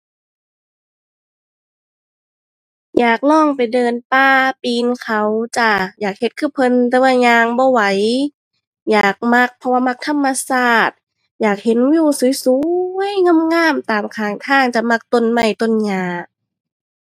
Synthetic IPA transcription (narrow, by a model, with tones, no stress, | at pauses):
jaː˨˩k̚lɔː˧˥˩ŋpa˨˩jdɤː˧npaː˧˩piː˧nkʰa˧˩wt͡ɕa˧˩jaː˨˩k̚he˧t̪̚kʰɯː˧˩˨pʰɤ˧nt̪ɛː˧˦waː˧˩ɲaː˧ŋbɔː˧˦wa˨˧˦j | jaː˨˩k̚ma˧˥k̚pʰɔ˧waː˧˨ma˧˥k̚t̪ʰa˧˥˨mːa˧saː˧˩t̪̚ | jaː˨˩k̚he˨˦njuː˧˩suː˨˦jsuː˨˦jŋa˧˥˨mŋaː˧˥˩mt̪aː˨˩mkʰaː˨˩ŋt̪ʰaː˧˩ŋt͡ɕa˧˨ma˧˩k̚t̪o˧˥˨nma˧˩jt̪o˧˥˨nɲaː˧˩ʔ